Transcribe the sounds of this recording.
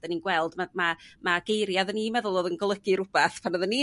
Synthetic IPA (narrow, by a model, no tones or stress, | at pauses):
əninɡwɛlˠdmamamaɡejɾjaðənimɛðʊlˠoːðənɡɔlˠəɡɨɾʊb̥aθpʰanɔðəni